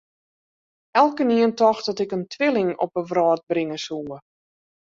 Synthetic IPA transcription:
ɛlˠkəniəntɔxdɔtɪkəntʰʋɪlˠɪŋɔ̰p̚əʋrɔːt̚brɪŋəsuː

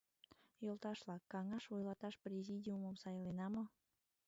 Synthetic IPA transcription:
jolˠt̪ɑʃlɑkːɑŋɑʃojlɑt̪ɑʃprʲezʲidʲiuməmsɑjlenɑmo

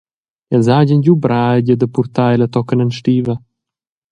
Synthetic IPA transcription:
ɛzaɟənɟubɾaɛɟəd̪əpuɾt̪aɛlət̪ɔkənənʃt̪ivə

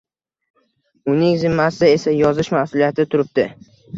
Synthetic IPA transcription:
ʊnɪŋzɪmːasɪe̞sajɒzɪʃmasʊlijat̪ʰɪt̪ʰʊɾɪp̚d̪ɪ

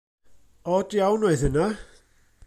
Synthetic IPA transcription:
ɔdjawnoɨðɪna

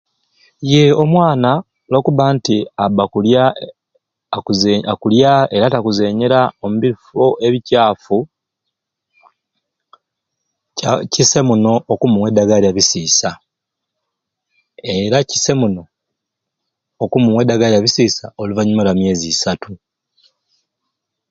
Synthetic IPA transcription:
je̞o̞mwaːna | lo̞ːkuβaːntiabakulja | uzkuljae̞ɾatakuze̞ːɲeɾaomuβiifoʔe̞βicaːfu | cise̞muno̞okumuwedaɡaliaβisiːsa | e̞ɾaci̥se̞muno̞ | kumuwedaɡaljaβisiːsaoluvaɲumalamje̞ːzisatu

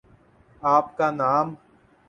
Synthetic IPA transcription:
aːpkanaːm

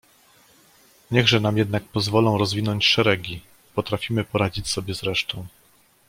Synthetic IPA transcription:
ɲɛɣʐɛnamjɛd̪̚nak̚pɔzvɔlɔ̃w̃ɾɔzvʲinɔɲt͡ɕʂɛɾɛɡʲi | pɔt̪ɾafʲimɘpɔɾad͡ʑit͡ɕsɔbʲjɛzɾɛʂt̪ɔ̃w̃

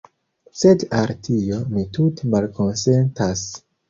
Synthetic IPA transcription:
se̞daltʰiomitutemalko̞nsentas

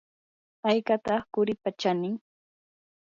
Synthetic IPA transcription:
ajkat̪ɑχkʊɾɪpat͡ʃanɪŋ

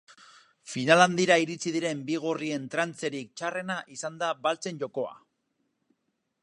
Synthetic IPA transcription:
finaland̪iɾaiɾit͡siðiɾe̞mbiɣ̞orie̞nt̪ɾant͡se̞ɾik̚t͡ʃare̞naʔisand̪abalt͡se̞nʝo̞ko̞a̰

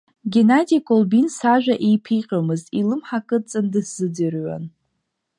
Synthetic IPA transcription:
ɡʲenadikʼolbinsaʒᶣaʔejpʰiqʲʼamɨztʼilɨmħakʼɨt͡sʼɨndɨsz̥ɨdɨrɥa̰n

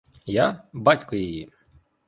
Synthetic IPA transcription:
jabatʲkɔjiji

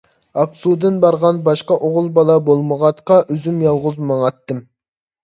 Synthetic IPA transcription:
ɑksud̪ɨnbɑɾʁɑnbɑʃqɑʔoʁʊlˠbɑlˠɑbolˠməʁɑt̪qɑʔøzymjɑlˠʁʊzmɑŋɑt̪ːɨm

